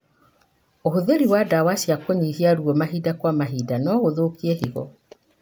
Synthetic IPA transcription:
oɦoðeɾiwadawasiakoɲiːhiaɾwɔmaɦiːdakwamaɦiːdanɔɣoðokiehiɣɔ̰

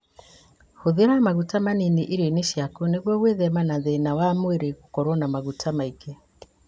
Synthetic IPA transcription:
hoðeɾamaɣutamaniniʔiɾeneʃjakuneɣwɔɣweðɛmanaðenawamweɾeɣukɔɾɔnamaɣutʰamaike

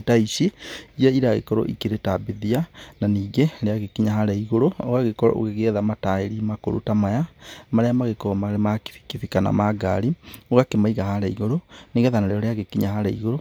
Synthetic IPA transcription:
etaisiijɛiɾaɣḛkɔɾɔ̰ʔḭkeɾetabeðiananiːɣeɾeaɣekiɲaɦaɾaiɣoɾooɣaɣekɔɾɔ̰ʔo̰ɣeɣeɛðamataeɾimako̰ɾṵtamajamaɾɛamaɣekɔɔmamaki̥fi̥kifikana̰maɡa̰ɾioɣakemaiɣahaɾaiɣoɾoniɣɛðanaɾeɾɔɾeaɣekiɲaɦaɾaḭɣoɾo

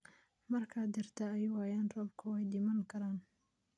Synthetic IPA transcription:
mɐrkʰɐd̪ɪrt̪ʰɐɛjwaːjaːnrɔːbkʰʊwɛjd̪ɪmɐŋkʰɐɾaːn

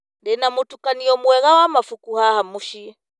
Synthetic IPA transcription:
ndɛnamutukaniɔmuwɛɣawamafukuhahamuʃi

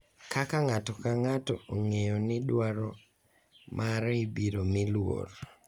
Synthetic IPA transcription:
kakaŋatɔkaŋatɔoŋejonɪdwaɾɔ | mʔaɾibiɾomɪlwo̰r

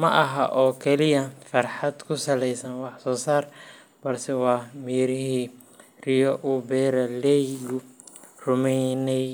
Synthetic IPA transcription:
mɐʔɐɦɐʔɔːkʰɛlɪjɐfɐrħɑd̪kʰʊsɐlɛjsɐnwɑħsɔːsaːr | b̥ɐrsɛwɑːmiːɾɪɦiː | rɪjɔʔʊbɛːɾɐlɛjɡʊrʊmɛjnɛj

